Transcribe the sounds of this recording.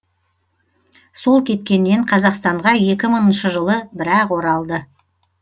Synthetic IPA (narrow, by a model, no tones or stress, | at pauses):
so̞lˠkʲʰe̞t̪kʲe̞nːe̞ɴqʰɑzɑqst̪ɑɴʁɑje̞kʲɪmənənʃəʒəlˠəbɪɾɑqwo̞ɾɑlˠd̪ə